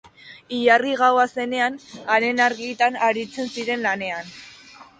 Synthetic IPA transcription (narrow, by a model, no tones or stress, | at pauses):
iʎariɣawase̞ne̞anaɾe̞naɾɣit̪anaɾit͡se̞nsiɾe̞nlane̞an